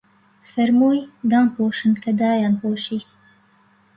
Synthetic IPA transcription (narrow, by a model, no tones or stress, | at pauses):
feɾmujd̪ɑnpoːʃənkad̪ɑːjɑnpoʃi